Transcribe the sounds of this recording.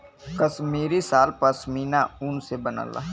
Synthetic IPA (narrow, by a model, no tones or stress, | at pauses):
kəsmiːɾisaːlpɐsmiːnaʊnsebəna̰ːla̰ː